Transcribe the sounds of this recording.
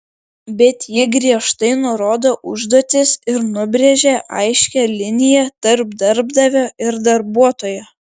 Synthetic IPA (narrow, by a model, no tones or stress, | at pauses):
bʲɛt̪jɪɡɾʲiɛʃt̪ɐɪnʊɾoːd̪oːʔʊʒd̪oːt̪ʲɪsɪɾnʊbʲɾʲɛʒʲeːʔɐ̰ɪʃʲkʲɛlʲɪnʲɪjɛt̪ɐɾbd̪ɐɾbd̪ɐʋʲoːʔɪɾd̪ɐɾbuɔt̪oːjɛ